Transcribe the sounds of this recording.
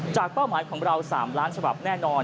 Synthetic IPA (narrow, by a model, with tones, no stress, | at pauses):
t͡ɕaː˨˩k̚pa˥˩wmaː˩˦jkʰɔː˩˦ŋɾa˧wsa̰ː˩˦mɾaː˦˥nt͡ɕʰa˧ba̰˨˩p̚nɛː˥˩nɔː˧n